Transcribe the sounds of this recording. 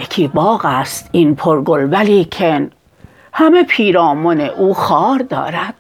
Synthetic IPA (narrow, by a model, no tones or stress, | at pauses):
ekʰiːbɒːɣæst̪inpʰoɾɡolvæliːkʰen | hæmepʰiːɾɒːmoneʔuːxɒːɾd̪ɒ̰ːɾæd̪̥